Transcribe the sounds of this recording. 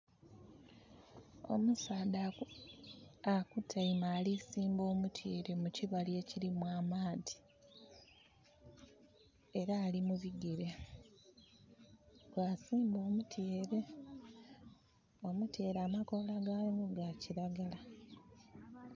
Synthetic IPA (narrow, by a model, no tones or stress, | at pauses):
o̞̰musaːda | akutʰaimaːlisiːmbo̞ːmutʰjeːɾe̞muciβalje̞ciɾimwaːmaːdi̥ | e̞ɾaːlimuβiɡiɾe | kwasiːmbo̞ːmutʰjeːɾe̞ | o̞mute̞ːɾaːmako̞ːlaɡajomuɡaciɾaɡala